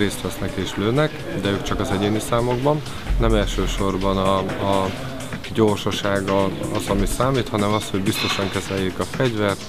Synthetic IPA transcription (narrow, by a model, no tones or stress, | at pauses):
reːst̪ʋɛsnɛkeːʃløːnːɛk | d̪ɛøːkt͡ʃɒkɒzɛɟeːnisaːmo̞ɡbɒnː | ɛmɛlʃøːʃo̞rbɒnɒː | ɟoːrʃɒʃaːɡɒɒzɒmisaːmiːt̪hɒnɛmɒst̪ho̞ɟbist̪o̞ʃɒŋkɛzɛjːekɒfɛɟvɛrt̪